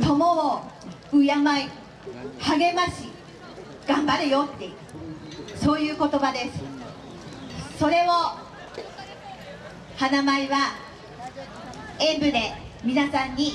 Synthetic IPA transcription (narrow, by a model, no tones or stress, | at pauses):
t̪o̞moo | ɯ̟jamai | haɡe̞maɕi | ɡ̥ãmbaɾɯ̟jo̞t̪ːe̞jɯ | so̞ːjɯ̟ːko̞t̪o̞bad̪e̞sɨ̥ | so̞ɾe̞o | hanamaiβa | ẽ̞mbɯ̟d̪e̞mʲinasãɲ̟ːi